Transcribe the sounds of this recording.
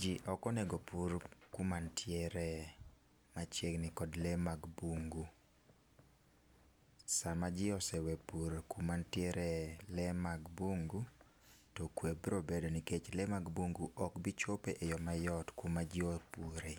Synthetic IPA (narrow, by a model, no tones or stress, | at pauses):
d͡ʒiʔɔkɔneɡopuɾkumantʰjɛɾɛ | mat͡ʃeɡnɪkɔdlemaɡbuŋɡu | samad͡ʒɪɔsɛwɛepuɾekumantjɛɾɛlɛmaɡbuŋɡu | tɔkwebɾobedoniket͡ʃlemaɡbuŋɡuʔɔkbit͡ʃopeʔejɔmajɔtkumad͡ʒɪopuɾe